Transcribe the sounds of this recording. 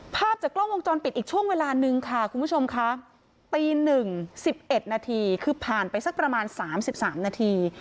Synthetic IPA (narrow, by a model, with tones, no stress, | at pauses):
pʰaː˥˩p̚t͡ɕaː˨˩kːlo˥˩ŋwo˧ŋt͡ɕɔː˧npi˨˩t̪̚iː˨˩k̚t͡ɕʰu˥˩əŋweː˧laː˧nɯ˧ŋkʰa˥˩kʰu˧nmbu˦˥˩t͡ɕʰo˧mkʰa˦˥ | piː˧nɯ˨˩ŋsi˨˩p̚ʔe˨˩t̪̚naː˧t̪ʰiː˧kʰɯː˧pʰaː˨˩npa˧jsa˦˥k̚pɾa˧maː˧nsaː˩˦msi˨˩p̚saː˩˦mnaː˧t̪ʰiː˧